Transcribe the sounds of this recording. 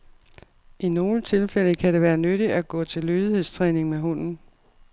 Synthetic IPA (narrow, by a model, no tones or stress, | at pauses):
ʔino̝ːlət͡sʰe̝lfeləkʰæɾe̝ʋæːɐnøɾ̥iæɡ̥ɔ̰̽ːt͡sʰe̝lːøːðˠihe̝ð̰ˠst͡sʰʁɛːne̝ŋmeɦɔ̽n̰n̩